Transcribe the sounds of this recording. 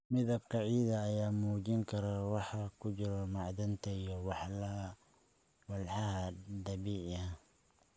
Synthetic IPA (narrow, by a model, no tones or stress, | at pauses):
mɪðɐb̚qɑʕiːðɐːjaːmuːd͡ʒɪŋkʰɐɾɐwɑħɑkʰʊd͡ʒɪɾɔmɑʕd̪ɐnt̪ʰɐijɔwɑħlɐɦɐ | wɐlħɑɦɐd̪ɐβiːʕɐ